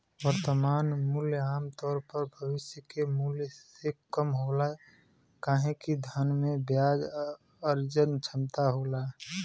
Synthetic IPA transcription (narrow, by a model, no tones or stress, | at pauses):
wəɾt̪əmaːnmuljaːmt̪ɔːɾpəɾbʱəʋɪsjəkemuljsekəmɦolaɛ | kaːɦẽkid̪ʱənmẽbjaːd͡ʒ | əɾd͡ʒənt͡ʃʰəmt̪aɦolaɛ